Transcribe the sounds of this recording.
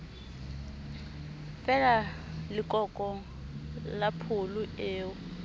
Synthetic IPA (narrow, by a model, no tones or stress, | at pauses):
fɛlalɪkʼɔkʼɔŋ̩ | lapʰʊlʊeːʊ